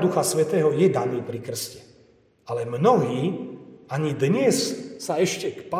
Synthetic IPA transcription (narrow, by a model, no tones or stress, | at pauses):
d̪uxasʋɛt̪ɛːɦɔjɛd̪aniːpɾikr̩scɛ̥ | alɛmnɔɦiːaɲid̪ɲɛsːaɛʃcɛkpa